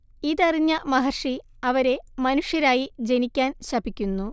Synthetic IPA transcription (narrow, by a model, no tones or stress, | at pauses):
iːðɐriɲːɐmɐɦɐrʂi | ɐʋɐɾe̞mɐnuʂjɐɾaːjid͡ʑe̞nikʲːaːnɕɐbikʲːunːu